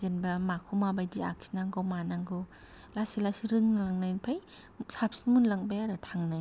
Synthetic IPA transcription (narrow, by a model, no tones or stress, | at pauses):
zenbamakʰumabajdia̰kʰi̥naŋɡɔwmanaŋɡɯ | lasilasiɾɯŋnalaŋnajnpʰaj | sap̚sinmunlaŋbajaɾatʰaŋnaj